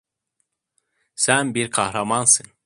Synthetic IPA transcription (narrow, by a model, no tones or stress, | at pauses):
sænbiɾkʰahɾamansɯn